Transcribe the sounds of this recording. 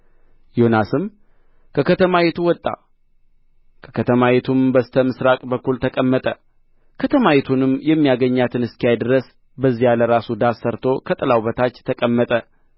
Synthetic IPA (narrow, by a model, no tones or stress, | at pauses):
jo̞nasɨm | kʰəkʰət̪ʰəmajɛt̪ʰuwɔt̪ʼːa̰ | kʰə̥kʰət̪ʰəmajɛt̪ʰumbəst̪ʰəmɨsɾakʼbəkːult̪ʰəkʼəmːət̪ʼə | kʰət̪ʰəmajɛt̪ʰunɨmjɛmːijaɡəɲːat̪ʰɨnɨskijajd̪ɨɾəs | bəzːijaləɾasud̪asːəɾt̪ʰo̞kʰət̪ʼɨlawbət̪ʰat͡ʃːt̪ʰəkʼəmːət̪ʼə